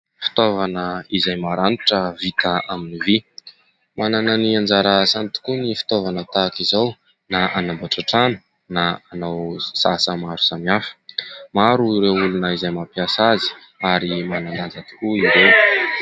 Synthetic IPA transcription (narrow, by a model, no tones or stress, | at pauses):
fi̥t̪ovanəizajmaɾaniʈ͡ʂəvit̪aaminivi | manananiand͡zaɾəsant̪u̥kunifi̥t̪ovanət̪akizaw | naʔanambaʈ͡ʂaʈ͡ʂanə̥ | naanawsasəmaɾu̥samafə̥maɾuiɾewulunəizajmapjasazi̥ | aɾimananand͡zat̪i̥kuiɾew